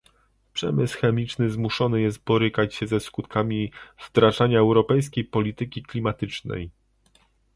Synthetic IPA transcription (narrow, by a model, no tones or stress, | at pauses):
pʂɛ̰mɘsxɛmʲit͡ʂnɘzmuʂɔnɘjɛst̪̚bɔɾɘkat͡ɕɕɛzɛskut̪kʰamʲivd̪ɾaʐaɲaɛwɾɔpɛjs̬kʲejpɔlʲit̪ɘkʲiklʲimat̪ɘt͡ʂnɛ̰j